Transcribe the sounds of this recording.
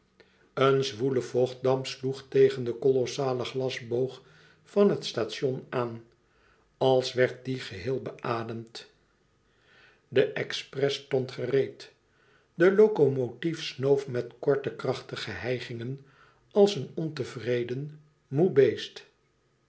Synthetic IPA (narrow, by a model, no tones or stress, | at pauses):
ənzʋuləvoχt̚dɑmsluχtejχəndəkolosaːləχlɑzbowχ | fɑnɦətstaːtʃɔnaːn | ɑlˠsʋɛɹt̚diχəɦɪːlˠbəʔaːdəmt | dəʔɛksprɛstɔntχərejt | dəlowkomotifsnowfmɛtkɔɹtəkrɑχtəχəɦɛjχɪŋən | ɑlˠsənɔntəvrejdən | mubejst